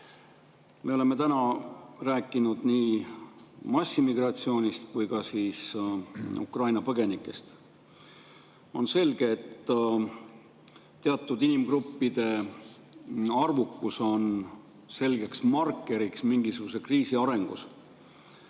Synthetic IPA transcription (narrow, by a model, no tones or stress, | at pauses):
me̞o̞le̞me̞t̪ænɑræːkːˑinud̪̥niː | mɑsʲːimiɡ̥rɑt̪sio̞ːnʲist̪kujɡ̥ɑsiːs | ṵkrɑjnɑpɤɡ̥e̞nikˑːe̞st̪ | o̞̰nse̞lɡ̥e̞ːt̪ː | eɑt̪ːˑud̪inimɡrupːid̪̥e̞ | ɑrvukːuso̞n | se̞lɡe̞ksmɑrkːˑe̞ɾiksmiŋɡ̥isuɡ̥use̞kriːsiɑɾe̞ŋɡ̥us